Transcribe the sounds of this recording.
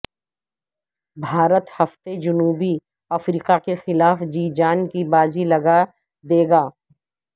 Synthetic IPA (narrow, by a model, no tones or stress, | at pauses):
bʱaːɾət̪hɐft̪ed͡ʒʊnuːbi | ɐfɾiːqakexɪlaːfd͡ʒiːd͡ʒaːnkibaːzilɐɡa | d̪eːɡaː